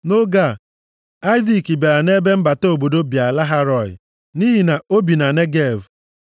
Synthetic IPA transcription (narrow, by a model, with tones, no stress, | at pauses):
no˦ɡa˦˨ | a˦ɪ˦zi˨ki˨ba˨ɾa˨ne˦be˦m̩˦ba˨to˦˨bo˨do˦bi˨a˨la˦ɦa˦ɾɔ˨ɪ̰˨ | ni˦ɦi˨na˨o˦bi˨na˨ne˦ɡe˦˨v